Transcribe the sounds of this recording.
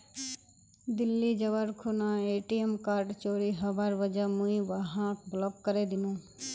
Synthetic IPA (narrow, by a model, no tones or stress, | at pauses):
d̪ɪlːid͡ʒɐʋaɾkʰunãeːʈiemkaːɾɖt͡ʃoːɾiɦɐbaːɾʋɐd͡ʒamũĩʋəɦãkblɔːkːəɾed̪ɪnõː